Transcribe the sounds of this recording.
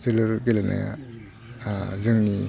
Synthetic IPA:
zɯlɯɾɡelana̰ja̰ | zɯŋni

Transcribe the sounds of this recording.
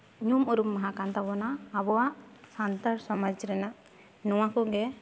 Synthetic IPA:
ɲumɔɾumːaɦãkant̪abɔnaːbɔwaʔsant̪aɾsɔmad͡ʒɾɛnaʔ | nɔwakɔɡɛ

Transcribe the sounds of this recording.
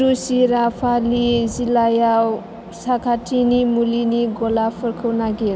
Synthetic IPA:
ɾusiɾapʰalizilajaw | sakʰatʰinimuliniɡolapʰːʌɾkʰəwnaɡeɾ

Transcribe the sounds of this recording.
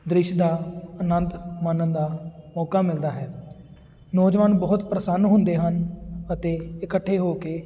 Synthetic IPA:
d̪ɾɪʃd̪aːənənt̪mənənd̪aːmɔːkaːmɪld̪aːɦɛː | nɔːd͡ʒʋaːnbɔːt̪pɾəsənːɦʊ̃nd̪eːɦənət̪eːɪkəʈʰːeːɦoːkeː

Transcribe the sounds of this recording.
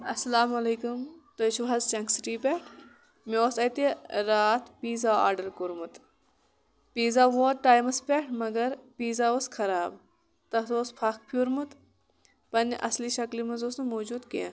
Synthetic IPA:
ɐsɐlaːmɐleːkumt̪ot͡ʃʰuʋɐzt͡ʃɐŋksʈiːpʲeʈʰ | meoːsɐt̪eɾaːt̪piːzaːa̰ːɾɖɐlkuɾmut̪ | piːzaːʋoːʈaːjmɐspʲeʈʰmɐɡɐɾpiːzaːoskʰɐɾaːb | t̪ɐt̪oːspʰɐk̚ʰpʰuːɾmut̪ | pɐnʔɐ̰sliʃɐklimɐzoːsnɨmoːd͡ʒuːd̪kḛ

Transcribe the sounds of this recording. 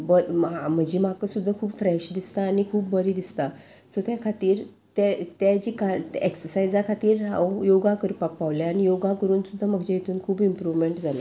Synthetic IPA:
bəam̤əd͡ʑimakəsud̪ʱːakʰuːbfɾeɕd̪ist̪aːnikʰuːbbəɾid̪ist̪a | sɔt̪jakʰat̪iːɾ | t̪ɛt̪jad͡ʑikaeksəɾsajd͡zakʰat̪iːɾɦã̰wjoɡakəɾpak̚paʋljaːnijoɡãkəɾuːnsud̪ʱːaməɡd͡ʑajet̪ʰuːnkʰuːbimpɾuʋmeɳʈd͡zʱala

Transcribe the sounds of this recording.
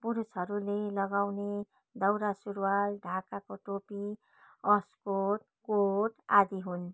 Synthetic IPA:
puɾusɦʌɾulelʌɡawne | d̪ʌwɾasuɾwalɖʱakakoʈopi | ʌskoʈ | koʈad̪iɦun

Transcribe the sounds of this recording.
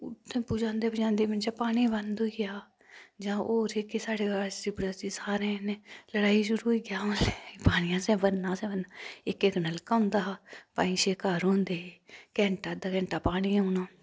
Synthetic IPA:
ʊt̪ʰːẽːpuːd͡ʒãːnd̪eːbəd͡ʒãːnd̪eːmɪnt͡ʃapaːɽ̃iːbənd̪oːɡɪjaː | d͡ʒãːʔoːɾekeːsaːɽeːasɪpɽaːsiːsaːɾẽːneləɽaːiːʃʊɾuːiːɡãːlepaːɽ̃ɪjãːsɛ̃ːbənːãːsɛ̃ːbənaːɪkeknəlkãʊnd̪aːpa̰ːĩːʃeːkaːɾɦõːnd̪eːekɛ̃ːɳʈaːd̪aːkɛ̃ːɳʈaːpaːɽ̃iːoːnãː

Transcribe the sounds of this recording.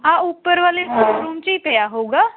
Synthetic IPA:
aupːəɾʋaːlesoɾuːmt͡ɕipɛjaɦouɡaː

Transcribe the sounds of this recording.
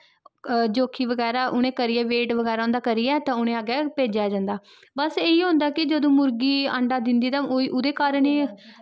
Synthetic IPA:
d͡ʒoːkʰiːʋəɡɛːɾaːʔʊɽ̃ẽːkəɾɪːɛːʋeːʈʋəɡɛːɾaːʊ̃nd̪aːkəɾiːɛːt̪ãːʊnẽːaɡɛːpeːd͡ʒaːd͡ʒãːnd̪aː | bəseːiːɦõnd̪aːkɪd͡ʒəd̪õːmʊɾɡiːə̰ɳɖaːd̪ɪnd̪iːt̪ãːoiːʔʊd̪eːkaːɾəneː

